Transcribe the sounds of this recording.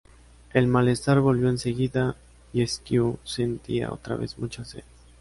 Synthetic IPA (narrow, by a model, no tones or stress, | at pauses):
e̞lmale̞st̪aɾβo̞lβjoense̞ɣiða | ieskjuse̞nt̪ia̰o̞̰t̪ɾa̰βe̞̰zmut͡ʃasḛð